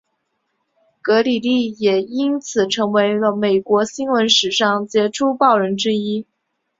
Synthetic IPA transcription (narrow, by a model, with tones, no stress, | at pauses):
kɤ˧˥li˨˩li˥˩jɛ˨˩i˥nt͡sʰɹ̩˨˩ʈ͡ʂʰɤ˧˥ŋwe˧˥ɪlə˧me˨˩ɪkwɔ˧˥ɕi˥nwə˧˥nʂɻ̩˨˩ʂɑ˥˩ŋt͡ɕjɛ˧˥ʈ͡ʂʰu˥pɑ˥˩ʊɻə˧˥nʈ͡ʂɻ̩˥i˥